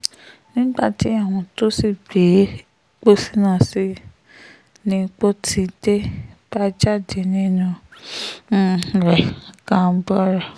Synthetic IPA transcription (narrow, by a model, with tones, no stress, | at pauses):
nĩ˦ɡ͡ba˦˨ti˨˦a˦˨w̃ɔ̃˧to˦si˦˨be˨˦ | k͡po˦si˦nã˦˨si˦ | nĩ˧˦k͡po˦tʰi˧˦de˦b̥a˦d͡ʒa˦˨de˨nĩ˦nũ˧˦˨ | ɾɛ˨kã˦bɔ˦ɾɛ˨